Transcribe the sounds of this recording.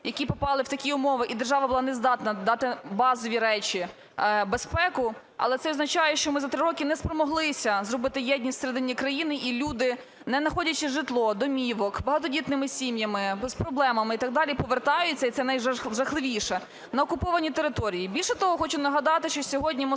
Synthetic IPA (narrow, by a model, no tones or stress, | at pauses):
jɐkʲipɔpɑlˠɪwt̪ɐkʲiʊmɔʋɪʔid̪erʒɑʋɐbʊlˠɑnɛzd̪ɑt̪nɐd̪ɑt̪ɪbɑzɔʋʲiɾɛt͡ʃʲi | bespɛkʊ | ɐ̰lˠɛt̪sɛɔznɐt͡ʃɑjɛʃt͡ʃɔmɪzɐt̪ɾɪɾɔkʲɪnɛspɾɔmɔɦlˠɪsʲɐzrɔbɪt̪ɪjɛdʲnʲisʲseɾɛd̪ɪnʲikɾɐjinɪʔilʲud̪ɪ | nɛnɐxɔdʲɐt͡ʃɪʒɪt̪lˠɔd̪ɔmʲiʋɔkbɐɦɑt̪ɔdʲit̪nɪmɪsʲimjɐmɪspɾɔblˠɛmɐmɪit̪ɐɡ̚d̪ɑlʲipɔʋert̪ɑjʊt͡sʲːɐit̪sɛnɐjʒɐxlˠɪʋʲijʃɛ | nɐɔkʊpɔʋɐnʲit̪eɾɪt̪ɔɾʲijibʲilʲʃɛt̪ɔɦɔxɔt͡ʃʊnɐɦɐd̪ɑt̪ɪʃt͡ʃɔsʲɔɦɔdʲnʲim